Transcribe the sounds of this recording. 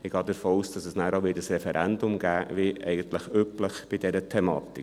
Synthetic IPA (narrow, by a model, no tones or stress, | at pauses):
ɪɡ̥ɑːdəɾfoːuːsd̥ɑsəsnæːɾoʋɪːdəsɾɛfɛɾʔɛndʊmɡæːʋiʔɛ̰ɪɡənt̪ləχypləχb̥ɪdɛɾətʰɛmɑ̰ːt̪i